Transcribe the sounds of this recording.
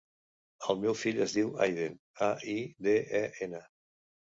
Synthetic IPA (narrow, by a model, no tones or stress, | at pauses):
əlˠmɛwfiʎəzðiwa̰jðen | aiðeɛʔenə